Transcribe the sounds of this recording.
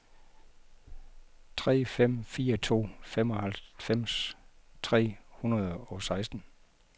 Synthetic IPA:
t͡sʰʁɛ̰ːfem̰fiːɐt͡sʰo̝̰ːfemɒ̽hælfem̰st͡sʰʁɛ̰ːhunɐð̞̩ˠɒ̽sɑ̈ɪsd̥n̩

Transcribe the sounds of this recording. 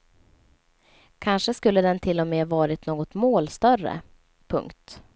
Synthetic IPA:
kʰanʂəskɵlːəd̪ɛnt̪ʰɪlːɔmeːvɑːɾɪt̪noːɡɔt̪moːlst̪œrə̰ | pʰɵ̰ŋkt̪

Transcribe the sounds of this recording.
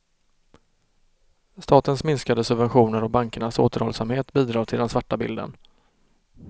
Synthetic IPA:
st̪ɑːt̪ənsmɪnskad̪əsɵbvɛnɧuːnəɾɔbaŋkəɳaso̰ːt̪əɾhɔlsamheːt̪biːd̪ɾɑːɡt̪ʰɪld̪ɛnsvaʈːabɪ̰ld̪ə̰n

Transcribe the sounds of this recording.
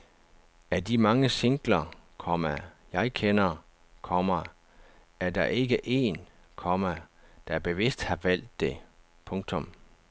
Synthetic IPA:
æɐd̥imɑ̈ŋəseŋɡ̥lɐkʰɒmæ | jɑ̈ɪkʰenɐ | kʰɒ̽mɐ | æɐd̥ɑ̈ʔe̝ɡ̥əʔe̝̰ːn | kʰɒ̽mæd̥ɑ̈æɐb̥e̝ʋe̝sd̥hɑ̈ʋæl̰d̥ːe̝ | pʰɔ̽ŋt͡sʰɔ̽m

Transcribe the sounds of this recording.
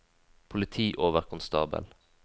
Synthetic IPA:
pʰʊlɪt̪ʰiːʔoːʋəʁkʰʊnst̪ɑ̰ːbə̰l

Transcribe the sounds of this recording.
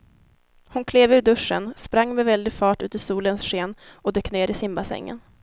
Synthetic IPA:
hʊnkʰleːvʉːɖɵʂːə̰nspɾaŋːmɛvɛld̪ɪɡfɑːʈʉ̟ːt̪əsuːlənsʂeːnʔɔd̪œkːneːɾɪsɪmbasɛ̰ŋːə̰n

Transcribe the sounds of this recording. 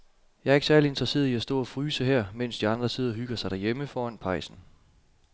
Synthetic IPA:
jɑ̈ɪæɐe̝ɡ̥sæɐlie̝nd̥ʁɐse̝̰ːɐiæsd̥ɔ̰̽ːæfʁyːsəɦɛɐ̰men̰sd̥iɑ̈nd̥ʁɐse̝ðˠɐɦyɡ̥ɐsɑ̈ɪd̥æɐjeməfɒːænpʰɑ̈ɪsn̩

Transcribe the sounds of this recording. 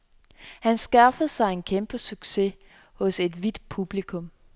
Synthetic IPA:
hænsɡ̥æfəð̩ˠsɑ̈ɪe̝nkʰemb̥əsyɡ̥se̝ | hɔ̽se̝d̥ʋid̥pʰub̥likʰɔ̽m

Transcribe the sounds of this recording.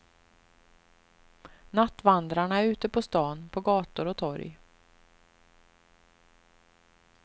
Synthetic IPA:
nat̪ːvand̪ɾaɳaæɾʉ̟ːt̪əpʰɔst̪ɑːnpʰɔɡɑːt̪ʊɾɔt̪ʰɔɾj

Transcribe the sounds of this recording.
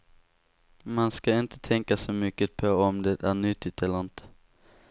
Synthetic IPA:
manskaɪnt̪ʰə̥t̪ʰɛŋkasɔmʏkːəpʰoɔmd̪ɛt̪æːnʏt̪ːɪt̪ɛlant̪

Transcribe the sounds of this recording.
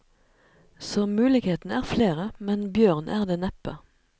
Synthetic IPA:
soːmʉːlɪkheːt̪n̩æːʁfleːʁəmɛnbjøːʁnʔæːʁd̪eːnɛpə

